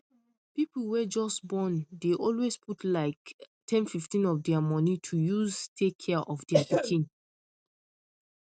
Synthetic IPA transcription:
pipl̩wɛd͡ʒɔsbɔ̃ndeʔɔlwesputʰlaɪk | tʰɛ̃nfiftĩnɔfdɛamɔnitʰujuztʰekʰːɛʔɔfdɛapikʰĩn

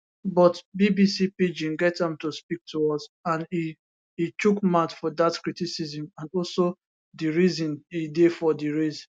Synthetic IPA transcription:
bɔtbibisipid͡ʒĩŋɡɛtãmtuspik̚tʰuɔsãni | itukmatfɔdatkɹitisizĩmãnɔlso | diɹizĩnidefɔdiɹiz

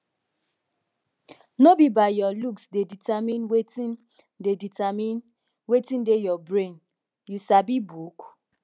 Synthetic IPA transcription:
nobibajɔluksdeditamĩnweti | deditamĩn | wetĩndejɔbɹẽn | jusabibuk

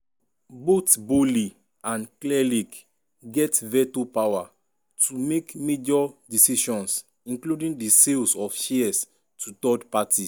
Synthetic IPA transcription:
botboli | ãnklɛlik | ɡɛtvɛtupawa | tʰumekmed͡ʒɔdisiʃɔ̃ns | ĩnkludĩŋdiselsɔfʃiɛs | tʰutɔdpati

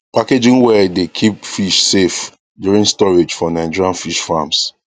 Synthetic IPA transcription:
paked͡ʒĩnwɛdekʰipfiʃsef | djuɹĩŋstɔɹed͡ʒfɔnãɪ̃d͡ʒɔɹãnfiʃfãms

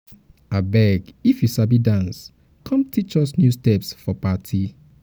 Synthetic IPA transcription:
abɛɡifjusabidãns | kʰɔ̃mtit͡ʃɔsnjustɛpsfɔpatʰi

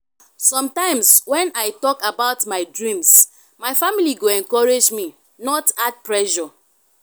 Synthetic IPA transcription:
sɔ̃mtãɪ̃mswɛ̃naɪtɔkabaʊtmaɪdɹĩms | maɪfamiliɡoɛ̃ŋkɔɹed͡ʒmi | nɔtat̚pɹɛʃɔ

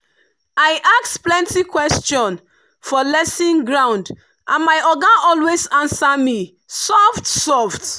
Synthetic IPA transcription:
aɪʔaksplɛ̃ntikwɛst͡ʃɔ̃n | fɔlɛsĩnɡɹãʊ̃nd | ʔãnmaɪʔɔɡãnʔɔlwezãnsami | sɔftsɔft

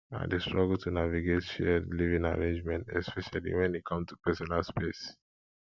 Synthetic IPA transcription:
ã̰ndestɹɔɡəltʰunaviɡetʃɛdlivĩŋa̰ɹẽnd͡ʒmɛ̃ntɛspʰɛʃalḭwɛ̃nit̚kʰʌ̃mstupɛsɔnalspes

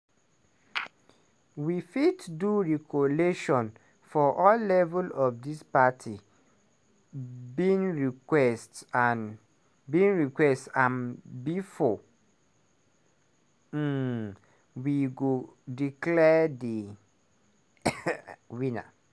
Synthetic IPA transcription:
wifidduɹikʰɔleʃɔ̃n | fɔʔɔlːɛvɛlɔfdispatʰi | binɹikwɛstan | binɹikwɛstãnbifɔ | wiɡodiklɛdi | wĩna̰

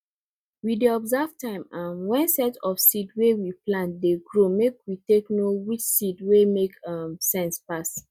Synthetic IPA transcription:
wideɔbzavtãɪ̃mãmwɛ̃nsɛtɔfsidwewiplãntdeɡɹomekwiteknowit͡ʃsidwemekamsɛ̃nspas

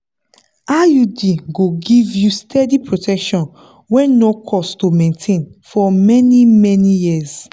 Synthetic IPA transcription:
ajudiɡoɡivjustʰɛdipɹotʰɛkʃɔ̃n | wɛ̃nokʰɔstomẽntʰẽnfɔmɛnimɛnijiz

